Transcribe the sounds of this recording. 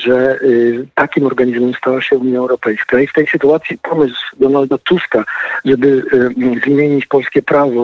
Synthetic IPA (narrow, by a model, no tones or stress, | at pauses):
ʐɛ | t̪akʲimɔɾɡaɲizmɛmst̪awaɕɛuɲjaɛwɾɔpɛjskaift̪ɛjsɘt̪uat̪sʲjipɔmɘsd̪ɔnald̪at̪uskaʐɛbɘzmʲjeɲit͡ɕpɔlskʲɛpɾavɔ